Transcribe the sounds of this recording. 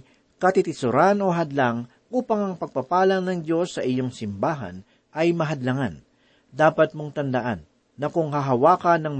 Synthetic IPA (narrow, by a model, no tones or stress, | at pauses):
kɐt̪ɪt̪ɪsʊɾano̞ɦɐd̪laŋ | ʔuːpɐŋɐŋpɐɡ̚pɐpaːlɐŋnɐŋd͡ʒo̞sːɐʔɪjo̞ŋsɪmbaːɦɐ̰n | ʔɐjmɐɦɐd̪lɐŋan | d̪aːpɐt̪̚moŋt̪ɐnd̪ɐʔanː | ɐkʊŋhɐɦɐwaːkɐnɐŋm